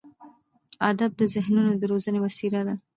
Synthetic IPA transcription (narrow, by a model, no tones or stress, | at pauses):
ɑd̪ab̚d̪əzɪhnunod̪əɾozənewasiɾad̪a